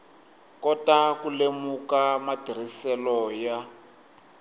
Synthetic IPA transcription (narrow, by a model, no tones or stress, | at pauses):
kɔtakulemukamadʱir̤isɛlɔja